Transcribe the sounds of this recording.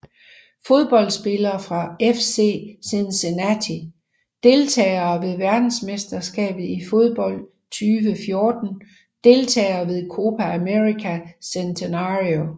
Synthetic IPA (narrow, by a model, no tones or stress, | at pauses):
fo̝ð̞ˠb̥ɒ̽l̰d̥sb̥e̝lɐːfʁɑ̈efse̝̰ːsensenæt͡sʰi | d̥e̝lt͡sʰɛ̰ːɐːʋe̝ðˠʋæɐd̥n̩smesd̥ɐsɡ̥ɛ̰ːb̥ð̩ˠifo̝ð̞ˠb̥ɒ̽l̰ | t͡sʰyːʋəfjo̝ːd̥n̩ | d̥e̝lt͡sʰɛ̰ːɪɐːʋe̝ðˠkʰo̝ːpʰææmeʁikʰæsent͡sʰenɑʁio